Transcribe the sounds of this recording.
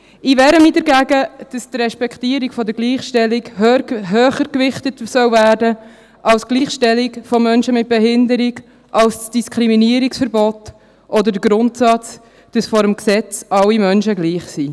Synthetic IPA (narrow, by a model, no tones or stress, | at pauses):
ʔivɛːɾəmiːdəɾɡæɡəd̥ɑstrɛʃpɛktiːəɾikfɔdəɾɡliːχʃtɛliɡɾɦøːχəɾkʋɪχtətsœwvæːrdə | ʔɑlsɡ̥liːχʃtɛlikfɔmœnʃəmɪt̚b̥eɦɪndəɾiɡ | ʔɑlssd̥iskʰχɾiminiəɾiksfəɾbɔt | ʔɔdəɾdəɡɾʊntsɑt͡s | d̥ɑsfɔɾəmksɛt͡sɑlːimœnʃəɡliːχsi